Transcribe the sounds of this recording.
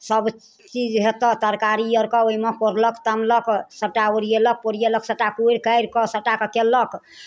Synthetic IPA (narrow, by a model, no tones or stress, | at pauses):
səb | t͡ʃid͡ʒɦet̪ɔt̪əɾkaɾijəɾkɔoimekoɾləkt̪əmləksəʈaoɾijelək̚poɾijeləksəʈakuiɾkəjɾkɔsəʈakəkelək